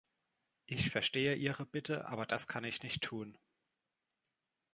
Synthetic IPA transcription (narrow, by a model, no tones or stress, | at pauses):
ʔɪçfɛɐʃteːəʔiːʁəbɪtʰəʔa̰ːbɐd̥askʰanɪçnɪçtʰːuːn